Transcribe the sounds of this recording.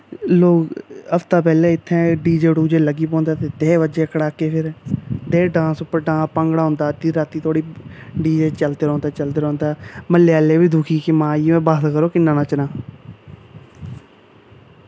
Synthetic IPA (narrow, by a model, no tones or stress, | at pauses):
loːkəpt̪aːpɛːlẽːɪt̪ʰːɛ̃ːɖiːd͡ʒeːɖuːd͡ʒeːləɡiːp̬ɔ̃ːnd̪aːt̪eːd̪eːʋəd͡ʒeːkəɽaːkeːpʰɪɾd̪eːɖãːsʊpːəɾɖãːspə̃ŋɡɽaːɦʊ̃ːnd̪aːt̪iːɾaːt̪iːt̪ʰoːɽiːɖiːd͡ʒeːt͡ʃəld̪eːɾõːnd̪aːt͡ʃəld̪eːɾõːnd̪aːməlːjaːleːbiːd̪uːkʰiːkemãːimɛ̃ːbaːt̪kəɾoːkɪnːãːnaːt͡ʃənãː